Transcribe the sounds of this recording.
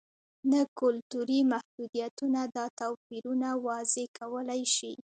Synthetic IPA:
nakʊlt̪uɾimahd̪ud̪ijat̪unad̪ɑt̪awpiɾunawɑzekʰawəlajʃḭ

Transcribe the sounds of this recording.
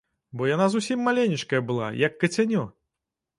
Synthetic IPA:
bɔjanazusʲimːalʲenʲit͡ʂkɐjɐbɨlˠa̰jɐkːɐt͡sʲanʲɔ

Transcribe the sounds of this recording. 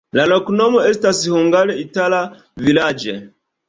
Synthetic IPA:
lalɔkunɔmɔɛstasihuŋɡalɛitala | vilad͡ʒɛ̰

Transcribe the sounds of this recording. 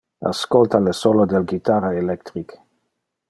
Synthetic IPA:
a̰skolt̪alesolod̪elɡit̪aɾaelɛkt̪ɾik

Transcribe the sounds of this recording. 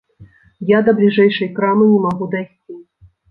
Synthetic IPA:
jad̪ɐblʲiʐɛjʂɐjkɾamɨnʲɛmaɣud̪ajsʲt͡sʲi

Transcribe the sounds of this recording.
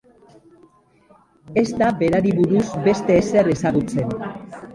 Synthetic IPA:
e̞zt̪abe̞ɾaɾiβuɾuzbe̞st̪e̞ːsere̞saɣ̞ut͡se̞n

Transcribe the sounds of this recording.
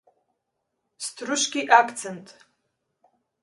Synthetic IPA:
stʰrʊʃɡʲiʔakʰt͡sʰentʼ

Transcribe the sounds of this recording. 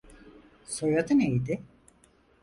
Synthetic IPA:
sojad̪ɯnejd̪ɪ

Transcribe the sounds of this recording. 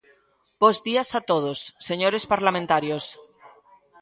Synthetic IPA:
b̥ozðiasat̪oð̞osːeɲoɾespaɾlamẽnt̪aɾjos

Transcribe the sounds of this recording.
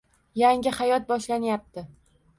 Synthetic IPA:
jaŋʲɪhajɒt̪̚bɒʃlanjap̚t̪ɪ

